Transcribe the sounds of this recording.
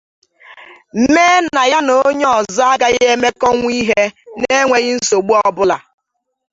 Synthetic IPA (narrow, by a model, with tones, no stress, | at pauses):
m̩˦meː˦na˨ja˦no˦ɲɔ˨za˦ɡa˦ɣe˦me˦kɔ˦ŋʷ˦i˦ɦe˦ne˦ŋʷe˨ɣɪ˦n̩˦so˨ɡ͡bu˦ɔ˦bʊ˦la̰˨